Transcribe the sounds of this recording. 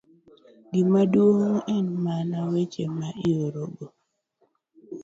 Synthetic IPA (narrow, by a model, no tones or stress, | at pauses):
ɡimadwoŋɛnmanawet͡ʃemaʔioɾoɡo